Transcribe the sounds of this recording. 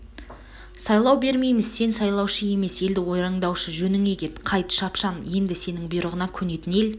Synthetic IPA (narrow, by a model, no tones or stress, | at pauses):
sɑjlˠɑwbe̞ɾme̞jmɪz̥se̞nsɑjlˠɑwʃəje̞me̞se̞ld̪ɪwo̞jɾɑɴd̪ɑwʃəʒɵnɪŋe̞kʲe̞t̪qʰɑjt̪ʃɑpʃɑnje̞nd̪ɪse̞nɪŋbʊjɾəʁənɑkʲʰɵne̞t̪ɪne̞l